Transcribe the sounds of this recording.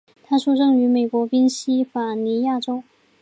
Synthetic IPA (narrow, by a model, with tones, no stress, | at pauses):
t̪ʰa˥ʂu˥˧ʈ͡ʂɤ˥˩ŋy˧˥me˨˩ɪkwɔ˧˥pi˥nɕi˥fa˨˩ni˧˥ja˥˩ʈ͡ʂo˥ʊ